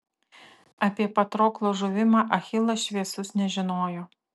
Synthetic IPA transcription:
ɐpʲiɛpɐt̪ɾoːklˠoːʒʊʋʲɪmɑːʔɐxʲɪlˠɐʃʲʋʲiɛsʊsnʲɛʒʲɪnoːjoː

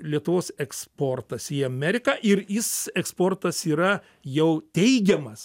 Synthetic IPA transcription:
lʲiɛt̪ʊʋoːsɛkspoːrt̪ɐsiɐmʲɛɾʲɪkɑːʔɪɾjɪsɛkspoːrt̪ɐsiːɾɐ | jɛʊt̪ʲɛɪɡʲɛmɐs

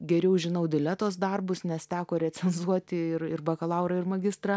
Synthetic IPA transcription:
ɡʲɛɾʲɛʊʒʲɪnɐʊd̪ʲɪlʲɛt̪oːs̬d̪ɐrbʊsnʲɛst̪ʲæːkoːɾʲɛt͡sʲɛnzuɔt̪ʲɪɪrɪrbɐkɐlˠɐʊɾɐɪrmɐɡʲɪst̪rɐ

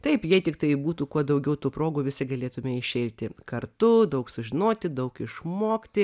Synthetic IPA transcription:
t̪ɐɪpjɛɪt̪ʲɪkt̪ɐɪbuːt̪uːkuɔd̪ɐʊɡʲɛʊt̪uːpɾoːɡuːʋʲɪsʲɪɡɐlʲeːt̪ʊmʲɛɪʃʲɛɪɾʲt̪ʲɪkɐrt̪ʊd̪ɐʊksʊʒʲɪnoːt̪ʲɪd̪ɐʊkɪʃmoːkt̪ʲɪ

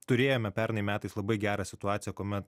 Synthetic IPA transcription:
t̪ʊɾʲeːjoːmʲɛpʲɛɾnɐɪmʲæːt̪ɐɪslˠɐbɐɪɡʲæːɾɑːsʲɪt̪ʊɑːt̪sʲjɛkoːmʲɛt̪

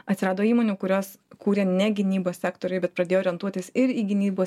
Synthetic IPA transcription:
ɐt̪ʲsʲɪɾɑːd̪oːiːmoːnʲuːkʊɾʲoːs | kuːɾʲeːnʲɛɡʲɪnʲiːboːsʲsʲæːkt̪oːɾʲʊɪbʲɛt̪pɾɐd̪ʲeːjoːɾʲɛnt̪uɔtʲɪsɪɾiːɡʲɪnʲiːboː

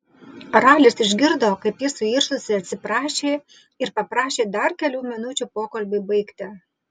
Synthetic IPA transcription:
ɾɑːlʲɪsɪʒʲɡʲɪɾd̪oːkɐɪpjɪsʊiːɾʃʊsʲɪɐt̪ʲsʲɪpɾɑːʃʲeː | ɪɾpɐpɾɑːʃʲeːd̪ɐɾkʲɛlʲuːmʲɪnʊt͡ʃʲuːpoːkɐlʲbʲɪbɐɪkt̪ʲɪ

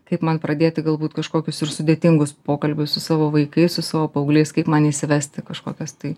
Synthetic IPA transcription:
kɐɪpmɐnpɾɐd̪ʲeːt̪ʲɪɡɐlˠbuːt̪kɐʃkoːkʲʊsɪɾsʊd̪ʲeːt̪ʲɪŋɡʊspoːkɐlʲbʲʊssʊsɑːʋoːʋɐɪkɐɪsʊsɑːʋoːpɐʊɡlʲeɪskɐɪpmɐniːsʲɪʋʲɛsʲt̪ʲɪkɐʃkoːkʲɛst̪ɐɪ

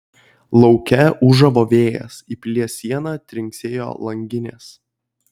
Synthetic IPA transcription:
lˠɒʊkʲɛʊʒɐʋoːʋʲeːjɛ̰sipʲlʲiɛsʲiɛnɑːt̪ʲɾʲɪŋʲksʲeːjo̰ːlˠɐŋʲɡʲɪnʲḛːs

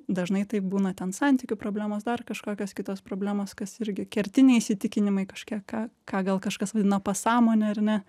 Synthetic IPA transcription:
d̪ɐʒnɐɪt̪ɐɪp̚buːnɐt̪ʲɛnsɐnʲt̪ʲɪkʲʊpɾoːbʲlʲæːmoːsd̪ɐrkɐʃkoːkʲoːskʲɪt̪oːspɾoːbʲlʲæːmoːskɐsɪɾʲɡʲɪkʲɛɾʲt̪ʲɪnʲɛɪisʲɪt̪ʲɪkʲɪnʲɪmɐɪkɐʃkʲiɛkɑːkɑːɡɐlˠkɐʃkɐsʋɐd̪ʲɪnɐpɐsɑːmoːnʲɛɐɾnʲɛ

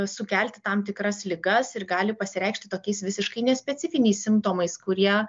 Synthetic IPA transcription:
sʊkʲæˑlʲt̪ʲɪt̪ɐmt̪ʲɪkɾɐslʲɪɡɐsɪɾɡɑːlʲɪpɐsʲɪɾʲɛɪkʃʲt̪ʲɪt̪oːkʲɛɪsʋʲɪsʲɪʃkɐɪnʲɛsʲpʲɛtt͡s̪ʲɪfʲɪnʲɛɪssʲɪmt̪oːmɐɪskʊɾʲiɛ

